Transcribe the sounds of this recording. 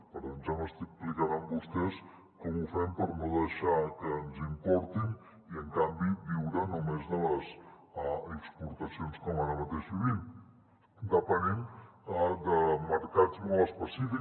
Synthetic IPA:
pəɾənʒaməst̪ik̚plikaðəmbust̪ɛs | kɔmufɛmpəɾnoðəʃakəːnzimpɔɾt̪in | iəŋkambiβiwɾənumezðələz | aəkspuɾt̪əsionskɔmaɾəmət̪eʒβiβim | d̪əpənim | d̪əməɾkad͡zmɔləspəsifi

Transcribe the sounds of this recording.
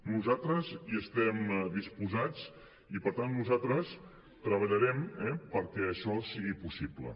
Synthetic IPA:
nuzat̪ɾəziəst̪ɛmd̪ispuzad͡z | ipəɾt̪anːuzat̪ɾəs | t̪ɾəβəʎəɾɛmɛpəɾkɛəʃɔsiɣipusiblə̰

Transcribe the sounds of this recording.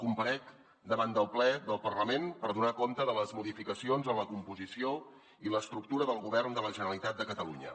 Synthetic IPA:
kumpəɾɛk | d̪əβand̪əlˠplɛðəlˠpərləmenpəɾðunakont̪əðələzmuðifikəsionzənləkumpuzisio | iləst̪ɾuk̚t̪uɾəðəlˠɣuβɛrnd̪ələʒənəlit̪at̪̚əkət̪əlṵɲə̰

